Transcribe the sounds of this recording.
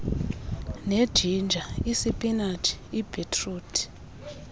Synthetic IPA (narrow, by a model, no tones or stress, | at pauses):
ned̥ʒ̥ʱind͡ʒʱaisipʼinatʰi̥ib̥ʱetʰʼruːtʰʼi̥